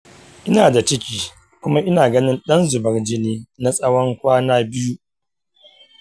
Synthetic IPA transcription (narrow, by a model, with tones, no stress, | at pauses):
ʔɪ˦naː˨da˨t͡ʃɪ˦kʲiː˦ | kʷʊ˦ma˦ʔɪ˦naː˨ɡɐ˦nɪ˦nɗɐ˦nzʊ˨bɐ˨rd͡ʒɪ˦neː˦na˨sʼɐ˦wɐ˦ŋkʷaː˦naː˦bɪ˦ju˦